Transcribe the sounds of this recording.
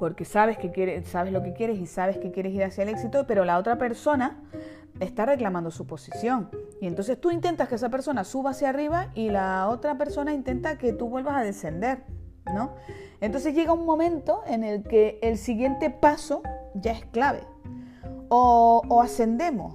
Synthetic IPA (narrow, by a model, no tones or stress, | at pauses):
po̞ɾke̞saβe̞ske̞kje̞ɾesaβe̞zlo̞ke̞kje̞ɾe̞sisaβ̞eske̞kje̞ɾe̞siɾasjaele̞ksit̪o̞pe̞ɾo̞lao̞t̪ɾape̞ɾso̞na | e̞st̪are̞klamãnd̪o̞supo̞sisjo̞ŋient̪o̞ns̬e̞st̪uint̪e̞nt̪askees̬ape̞ɾso̞nasuβaːsjariβaʔilao̞t̪ɾape̞ɾso̞naint̪e̞nt̪ake̞t̪uβwe̞lβasaðe̞se̞nd̪e̞ɾ | no̞ | ent̪o̞ns̬e̞zʝe̞ɣauŋmõ̞mẽ̞nt̪o̞e̞ne̞lke̞ːlsiɣje̞nt̪e̞paso̞ʝae̞sklaβe̞̰ | oːase̞nd̪e̞mo̞̰s